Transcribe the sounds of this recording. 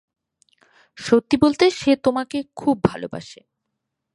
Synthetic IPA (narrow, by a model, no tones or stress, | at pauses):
ʃot̪ːibolt̪eʃet̪omakekʰub̚ːʱalo̰ba̰ʃe